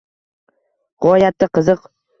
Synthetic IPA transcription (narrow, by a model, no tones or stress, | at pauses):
ʁɒjat̪ːaqʰɨzɨq